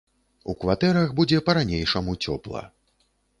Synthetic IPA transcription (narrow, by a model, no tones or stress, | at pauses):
ukvat̪ɛɾɐɣbud͡zʲɛpɐɾanʲejʂɐmut͡sʲɔ̰plˠɐ̰